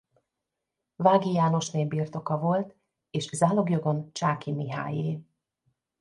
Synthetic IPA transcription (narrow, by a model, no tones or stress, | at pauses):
vaːɡijaːno̞ʃneːbiːrt̪o̞kɒvo̞lt̪ | eːʃzaːlo̞ɡjo̞ɡo̞nt͡ʃaːkimiɦa̰ːjeː